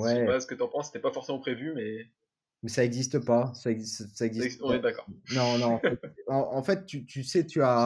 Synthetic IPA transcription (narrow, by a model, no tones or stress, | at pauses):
wɛpasə̥kət̪yɑ̃pɑ̃sːe̥t̪ɛpafɔʁsemɑ̃pχevymɛ | mɛsaɛɡzist̪əpasaɛɡzisaɛɡzisɛd̪akɔ̰ʁnɔ̃nɔ̃ɛt̪ɑ̃ʔɑ̃fɛt̪ːyt̪ysɛt̪ʰya